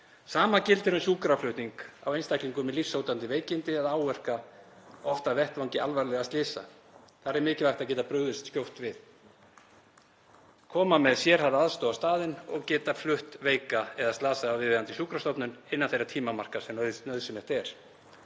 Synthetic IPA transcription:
saːmacɪlt̪ɪɾʏnsuːkɾafʰlʏht̪niŋka̰wejnst̪ʰajkliŋkʏmɛðlifsoːwt̪ant̪ɪveːjcɪnt̪ɪaðaːwvɛr̥ka | ɔft̪avɛht̪vawŋcɪʔa̰lvaɾlɛɣast̪lɪːsa̰ | θaɾɛɾmɪːcɪvajxt̪aðc̬ɛːt̪apɾœːɣðʏst̪scowht̪vɪð̥ | kʰɔːmamɛðsjɛɾ̥haɾaðst̪owast̪aːðɪnɔɣcɛːt̪aflʏht̪veːjkaɛðast̪laːsaːwvɪðvɛːðant̪ɪsuːkɾast̪ɔpnʏnɪnːaθejɾat̪ʰiːmamar̥kasɛmnœɥðsɛmjɛht̪ɛɾ̥

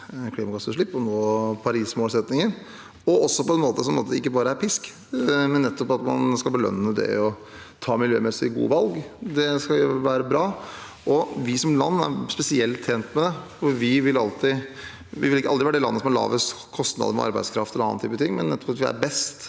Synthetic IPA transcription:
kʰliːmɑkɑsəʂɭɪpːɔnoːpʰɑɾiːsmoːlsɛt̪nɪŋəɾ | ɔɔsːɔpʰɔɛnmoːt̪əsɔmnmo̰ːt̪əɪkːəbɑːɾəæɾpʰɪsk | mɛnːɛt̪ːɔpːɑt̪mɑ̰nskɑlbəlœ̰nːəd̪ɛ̰ɔ | t̪ʰɑːmɪljø̰ːmɛsɪɡṵːʋɑlɡd̪ɛskɑʋæːɾəbɾɑː | ʔɔʋɪsɔmlɑnːæ̰ɾspɛsɪɛlt̪ʰːeːnt̪mɛd̪ɛfɔɾʋɪʋɪlɑlt̪ɪ | ʋɪ̰ʋɪlɪkːəɑld̪ɾɪʋæːɖɛlɑ̰nːəsɔmɑɭɑ̰ːʋəskʰɔst̪nɑ̰d̪əmɔ̰ʔɑ̰ɾbæɪd̪skʰɾɑft̪ɛlɑ̰nnt̪ʰyːpət̪ʰɪŋːmɛnːɛt̪ːɔ̥pɑt̪ʋɪæ̰ɾbɛst̪

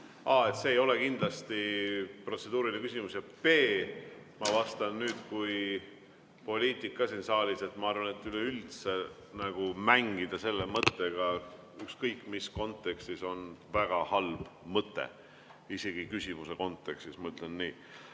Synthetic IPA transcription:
ɑːe̞t̪seːjo̞le̞kind̪̥lɑst̪ipro̞t̪se̞d̪uːɾilekysʲimusjɑpe̞ː | mɑvɑst̪ɑnnyːd̪̥kuj | po̞lʲiːt̪ˑikˑːɑsinsɑːlʲise̞t̪ːˑmɑɑrvɑne̞t̪ːˑyleylt̪se̞ | næɡ̥umæŋɡid̪̥ɑse̞lːemɤt̪ːeɡ̥ɑ | ykskɤjkːˑmisko̞nt̪ˑːe̞kst̪iso̞nvæɡ̥ɑhɑlb̥mɤt̪ːˑḛ | ise̞ɡ̥ikysʲimuse̞ko̞nt̪ːˑe̞kst̪ismɤyt̪ːˑlenːiː

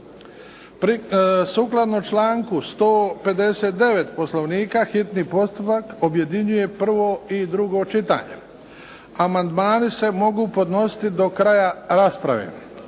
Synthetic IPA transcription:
pɾisuːklˠad̪not͡ʃlaːŋkust̪oːpe̞d̪e̞set̪̚d̪e̞ʋe̞t̪po̞sloʋniːkaːxit̪niːpo̞st̪upakobje̞d̪iɲuje̞pr̩ʋo̞id̪ɾuɡo̞t͡ʃit̪a̰ːɲḛ | amand̪maːnise̞mo̞ɡuːpo̞d̪no̞si̥t̪id̪o̞kɾajaɾaːspɾa̰ʋḛ

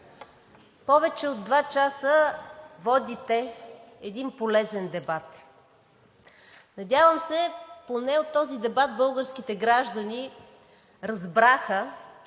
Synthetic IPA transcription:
pɔvɛt͡ʃɛod̪ːvat͡ʃasəvɔd̪it̪ɛː | d̪inpolɛzɛnd̪ɛbat̪ | nɐdʲjavəmsɛponɛot̪ːɔzid̪ɛbat̪̚bɤlˠɡəɾskit̪ɛɡɾaʒd̪əni | ɾɐzbɾaxə

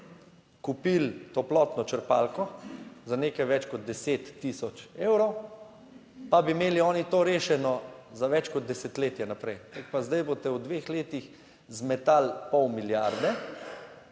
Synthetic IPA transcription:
kupilt̪oplɔːt̪nɔt͡ʃəɾpalkɔzaneːkajʋɛt͡ʃkɔd̪̚d̪ɛseːt̪ːisɔt͡ʃeːwɾɔw | pabimeːliɔːnit̪oːɾeːʃɛnɔzaʋɛt͡ʃkɔd̪̚d̪ɛsɛt̪leːt̪jɛnapɾɛjt̪ak̚pazd̪ajbot̪ɛwd̪ʋexleːt̪ix | zmɛt̪alpɔwmiljaɾd̪ɛ

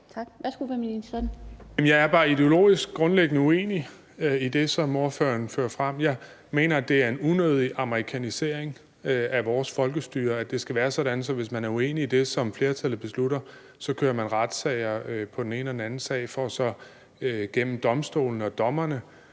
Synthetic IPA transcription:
t͡sʰɑɡ̥ʋæsɡ̥uʋæmininɛnjem̩jɑ̈ɪæɐb̥ɑ̈ːid̥e̝o̝lo̝̰ːisɡ̥̚ɡ̥ʁɔ̽nleɡ̥ənəue̝̰ːni | id̥e̝sɒ̽mo̝ɐfø̰ɐnfø̰ːɐfʁam̰jɑ̈ɪ | me̝̰ːnɐæd̥e̝æɐe̝nunøð̞ˠiʔɑ̈mʁikʰænise̝ɐ̰eŋ | æʋɒːsfɒ̽lɡ̥əsd̥y̰ːɐæd̥e̝sɡ̥æʋæːɐsɒ̽ɾ̥ænsɒ̽ʋe̝smænæɐue̝̰ːniːd̥e̝sɒ̽mfle̝ːɐt͡sʰælð̩ˠb̥e̝sluɾɐ | sɒ̽kʰøːɐmænʁɑd̥sɛɪ̰ɐpʰɒ̽d̥ene̝ːnəɒdenæn̩sɛ̰ːɪfɒsɒ̽ | øɡ̥en̰m̩d̥ɒ̽msd̥o̝̰ːln̩əɒ̽d̥ɒ̽mɐnə

